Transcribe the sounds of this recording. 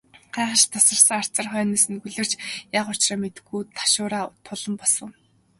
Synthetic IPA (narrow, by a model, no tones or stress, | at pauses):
ɢ̥æːχə̆ʃt̪ʰasə̆rsə̆ŋar̥t͡sə̆rχœːniːsɘ̆nɡuɮɘ̆r̥t͡ɕjaːqʊt͡ɕrɔːmet̪ɘ̆ɡujt̪ʰḁʃʊːɾaːt̪ʰʊɮɞ̆mpɔsɞ̆w